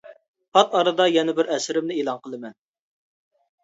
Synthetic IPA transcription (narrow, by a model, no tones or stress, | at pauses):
pʰɑt̪ɑɾɨd̪ɑjɛnɪbɪɾɛsɾɪmnɪeːlˠɑŋqəlˠɨmɛn